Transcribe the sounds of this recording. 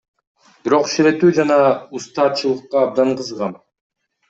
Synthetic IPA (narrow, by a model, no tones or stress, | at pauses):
b̥iɾo̞qʃiɾe̞t̪yːd͡ʒɑnɑust̪ɑːt͡ʃɯlˠɯqːɑːb̚d̪ɑɴqɯzʁɑm